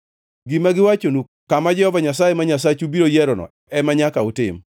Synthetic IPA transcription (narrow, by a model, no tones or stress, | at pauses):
ɡimaɡɪwat͡ʃonu | kamad͡ʒɛhɔvaɲasajemaɲasat͡ʃubiɾojɛɾɔnɔ̰ | ɛmaɲakaʊtɪ̰m